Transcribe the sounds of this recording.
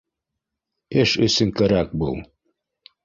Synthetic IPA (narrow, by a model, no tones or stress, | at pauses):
eʃɵ̆sɘŋkæɾæk̚bulˠ